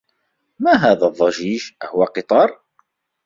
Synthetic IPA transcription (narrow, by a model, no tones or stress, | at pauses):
mæɦæðæðˤːɑʒiʒhʊwæqɨt̪ˤɑɾˤ